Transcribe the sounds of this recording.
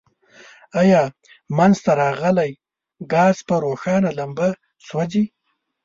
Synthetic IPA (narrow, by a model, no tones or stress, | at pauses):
ajɑ | manzt̪aɾɑɣəlaj | ɡɑːzpəɾoxɑnalamba | swazi